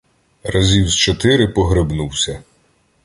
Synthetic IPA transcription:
rɐzʲiwzt͡ʃɔt̪ɪɾɪpɔɦɾɪbnuwsʲɐ

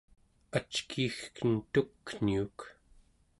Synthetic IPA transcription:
at͡ʃkʰixkənt̪ukːn̥iuk

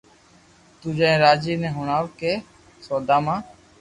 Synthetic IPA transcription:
t̪uːd͡ʒãːẽːɾaːd͡ʒiːnɛ̃ːɦʊɳaːʋkeː | soːd̪aːmãː

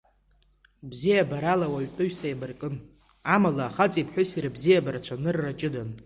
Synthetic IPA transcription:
bzijabaɾalawaɥtʼʊɥsajbɨrkʼɨn | amalaːχat͡sʼipʰħʷᶣʊsiɾɨbzijabaɾat͡ɕʷʰanɨrːat͡ʃʼɪdan

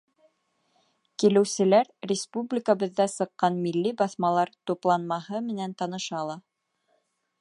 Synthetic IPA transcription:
kilɘ̆wsɘ̆læɾɾʲɪspublʲikəβɤ̆ðːæsɤ̆qːɑnmilːibɑθmɑlˠɑɾt̪uplˠɑnmɑɦɤmɘ̆nænt̪ɑnɤ̆ʃɑlˠɑ

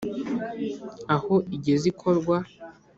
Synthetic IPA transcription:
ahoiɟezikʰo̞ɾɡwa

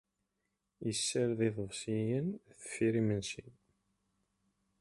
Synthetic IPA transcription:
jəsːəɾðiðˤəvsijənθə̥fːiɾimənsin

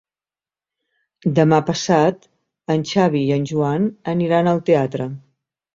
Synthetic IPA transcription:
d̪əmapəsat̪ | ənʲt͡ʃaβ̞iːənʲʒuanəniɾanəlˠt̪eat̪ɾə

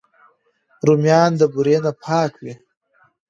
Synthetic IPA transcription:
ɾumjɑːnd̪əbuɾenapʰɑːkwi

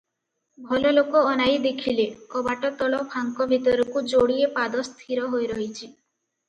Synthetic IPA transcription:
bʱɔlɔlokɔːnajd̪ekʰilekɔbaʈɔt̪ɔɭɔpʰaŋkɔbʱit̪ɔɾɔkud͡ʒoɽiepad̪ɔst̪ʰiɾɔɦojɾɔɦit͡ʃʰi

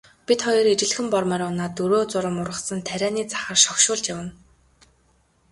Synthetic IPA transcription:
pʲit̪χɔjɞ̆ret͡ɕɪ̆ɮxɘ̆mpɔrmæːɾʊnaːt̪ɵɾoːt͡sʊɾə̆mʊrʁə̆sə̆nt̪ʰæɾʲæːniːt͡sḁχə̆rʃɔwʃʊːɮt͡ɕjawə̆n

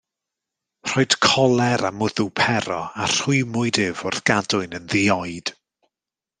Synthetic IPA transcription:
r̥ɔɨd̥kʰɔlˠɛɾamʊðʊpʰɛɾɔar̥ʊɨmʊɨdɪvʊrθɡ̥adʊɨnənðiɔɨd̥

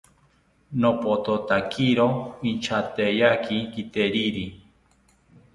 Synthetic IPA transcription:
nopot̪ot̪akiɾoint͡ʃʰat̪ejakikit̪eɾiɾi

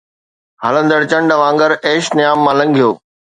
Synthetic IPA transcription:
hələ̃nd̪əɽt͡ɕɐ̃ɳɖʋãːŋɡəɾeːʃnɪjaːmːãːlɐ̃ŋɡʱijoː

